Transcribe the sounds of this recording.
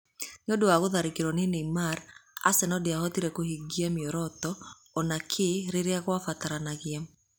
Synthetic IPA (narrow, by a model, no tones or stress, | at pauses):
neodowaɣoðaɾekeɾwɔnineimaɾa̰sɛnɔdeahɔtiɾɛkohiɡiamiɔɾɔtɔː | nakʰeɾeɾeaɣwafataɾanaɣia